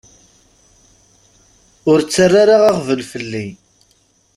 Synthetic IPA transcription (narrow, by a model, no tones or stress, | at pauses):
ʊɾt͡sːarːaɾaʁaʁvəlfəlːi